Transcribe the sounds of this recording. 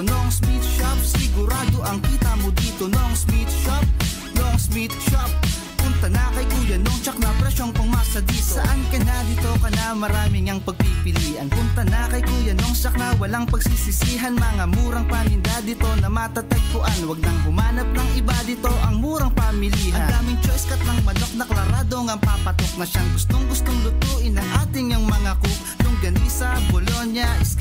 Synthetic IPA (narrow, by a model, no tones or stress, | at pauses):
noʔŋsmit̪ʃap̚sɪɡʊɾaːd̪oʔɐŋkit̪amod̪iːt̪onoʔoŋspit̪ʃap̚ | noʔoŋspit̪ʃap̚ | kʊŋt̪ɐnaːkɐjkojɐnoŋt͡ʃɐk̚nɐpɾɛʃonkʊŋmasɐd̪isɐʔankɐnad̪ɪt̪o̞kɐnamɐɾaːmɪŋɐŋpɐɡ̚pipɪliːʔɐnkʊŋt̪ɐnaːkɐjkojɐnoŋt͡ʃɐk̚nɐwɐlaŋpɐɡsisɪsiːɦɐnmɐŋamuːɾɐŋpamɪnd̪ad̪ɪt̪o̞nɐmat̪ɐt̪ɐɡ̚kʊʔanwɐɡ̚nɐŋɦʊmaːnɐp̚nɐŋɪbad̪ɪt̪oʔɐŋmuːɾɐŋpamɪliːɦɐɐd̪aːmɪŋt͡ʃoʔɪskɐt̪̚nɐŋmɐd̪ok̚nɐklɐɾaːd̪o̞ŋɐŋpaːpɐt̪ot̪̚ŋɐʃaŋɡʊst̪oŋɡʊst̪oŋlʊt̪uːʔɪnɐŋʔaːt̪ɪŋɐŋmɐŋakʊ | lʊŋɡɐniːsɐbolonjɐ